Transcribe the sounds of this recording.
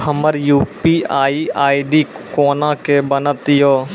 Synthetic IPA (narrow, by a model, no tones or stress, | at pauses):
ɦəməɾjuːpiːaːiaːiɖiːkoːnãːkebənət̪joː